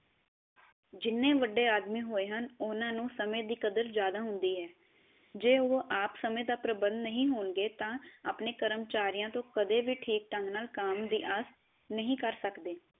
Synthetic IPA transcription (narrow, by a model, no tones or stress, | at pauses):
d͡ʒɪnːẽːʋəɖːeːaːd̪miːɦoːeːɦənʊnãːnũːsəmẽːd̪iːkəd̪əɾzjaːd̪aːɦʊnd̪iːɦɛː | d͡ʒeːoːʔaːpsəmẽːd̪aːpɾəbənd̪nəɦĩːɦoːnɡeːt̪ãːaːpneːkəɾəmt͡ʃaːɾijãːt̪õːkəd̪eːʋiːʈʰiːk̚ʈəŋɡnaːlkaːmd̪iːʔaːs | nəɦĩːkəɾsəkd̪eː